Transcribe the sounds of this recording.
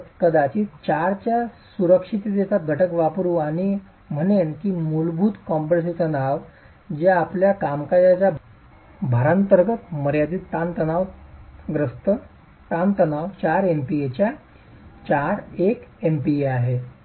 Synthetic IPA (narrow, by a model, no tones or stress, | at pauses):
kəd̪at͡ɕiːt͡ɕaɾt͡ɕjasuɾəkʂit̪id̪et͡sat̪̚ɡʱəʈəkʋapɾuːaɽ̃i | m̤ənenkiːmulbʱuːt̪kɔmpəɾs̬eɕənaʋ | d͡ʑaːpljakamkajat͡ɕja | bʱaɾant̪əɾɡət̪məɾjad̪iːt̪ːant̪ənaʋɡɾəst̪ə | t̪ant̪ənaʋt͡ɕaɾempiet͡ɕja | t͡ɕaɾekempieaɦe